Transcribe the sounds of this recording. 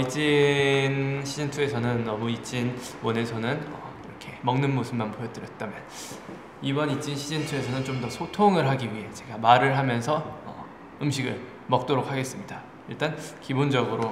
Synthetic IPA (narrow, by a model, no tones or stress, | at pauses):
it͡ɕ͈inɕʰid͡ʑintʰue̞sʰʌnɯnːʌmuit͡ɕ͈inwʌne̞sʰʌnɯnʌ̰iɾʌkʰe̞mʌŋnɯnmosʰɯmmanpojʌt͈ɯɾjʌt̚t͈amjʌn | ibʌnit͡ɕ͈inɕʰid͡ʑintʰue̞sʰʌnɯnt͡ɕomdʌsʰotʰoŋɯɭɦaɡiɥiɦe̞t͡ɕe̞ɡamaɾɯɭɦamjʌnsʰʌʌ̰ | ɯmɕʰiɡɯ̰ɭ | mʌk̚t͈oɾok̚ʰaɡe̞s͈ɯmɲida | iɭt͈ankibond͡ʑʌɡɯɾo